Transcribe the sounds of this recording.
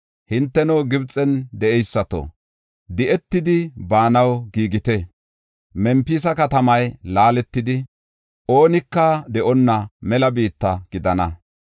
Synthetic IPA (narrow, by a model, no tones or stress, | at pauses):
hɪnt̪ːɛnowɡɪbt͡sʼːɛnd̪ɛɛjsːɐt̪o̰ | d̪ɪʔɛt̪ːɪd̪ɪbaːnɐwɡiːɡɪt̪ɛ | mɛmpːiːsɐkɐt̪ɐmɐjlaːlɛt̪ːɪd̪ɪ | ʔo̞ːnɪkːɐd̪ɛʔɔnːɐmɛlɐbiːt̪ːɐɡɪd̪ɐnɐ